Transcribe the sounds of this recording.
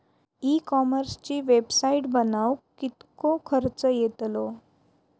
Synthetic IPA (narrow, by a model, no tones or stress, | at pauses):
ikɔməɾst͡ɕiːʋebsaiʈbənawkit̪kokʰəɾt͡səjet̪lo